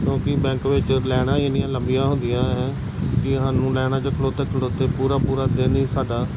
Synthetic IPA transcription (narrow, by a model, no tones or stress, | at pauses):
kjõːkɪbɛ̃ːŋkʋɪt͡ʃlɛːɽ̃aːɪnɪjãːləmbijãːɦʊ̃nd̪ɪjãːɛ̃ː | kɪɦaːnũːlɛːɽ̃ãːt͡ʃəkʰəloːt̪eːkʰəɽoːt̪eːpuːɾaːpuːɾaːd̪eːniːsaːɖaː